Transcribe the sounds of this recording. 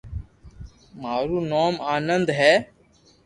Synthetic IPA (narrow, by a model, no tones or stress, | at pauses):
maːɾuːnoːmaːnənd̪ɦɛː